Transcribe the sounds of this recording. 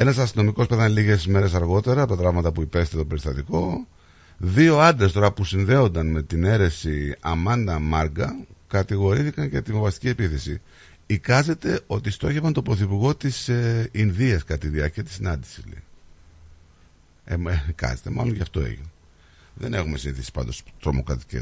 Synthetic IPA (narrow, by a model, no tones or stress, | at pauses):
e̞nɐsɐst̪inomiko̞speθɐnliʝe̞zme̞ɾe̞sɐɾɣo̞t̪e̞ɾɐpot̪ɐt̪ɾɐvmɐt̪ɐpuipe̞st̪t̪o̞pe̞ɾist̪ɐt̪iko̞ | ðio̞ɐnd̪ɾest̪o̞ɾɐpusinðe̞o̞nd̪ɐnme̞t̪ine̞ɾe̞siɐmɐnd̪ɐmɐɾɡɐkɐt̪iɣo̞ɾiθikɐɲcet̪ivovɐst̪i̥cie̞piθe̞si | ikɐze̞t̪e̞o̞t̪ist̪o̞çevɐnt̪o̞pɾo̞θipuɾɣo̞t̪isinðiɐskɐt̪iðiɐɾciɐt̪isinɐnd̪isizlḛi | emikɐ̰ze̞t̪e̞mɐ̰lo̞nʝɐft̪o̞ḛʝḭne | ðe̞̰ne̞xume̞siniθisi̥pɐ̰nd̪o̞st̪ɾo̞mo̞kɾɐt̪i̥cḛ